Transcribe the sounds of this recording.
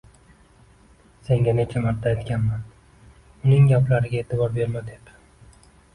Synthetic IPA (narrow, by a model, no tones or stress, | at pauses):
se̞ŋɡʲane̞t͡ʃʰamaɾt̪ʰːaːjt̪kʲanman | ʊnɪŋɡʲaplaɾɪɡʲae̞ːt̪ʰɪbɒɾbe̞ɾmad̪e̞p